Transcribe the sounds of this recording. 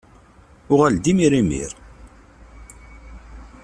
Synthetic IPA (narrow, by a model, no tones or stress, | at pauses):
ʊʁæld̪imiɾimḭɾ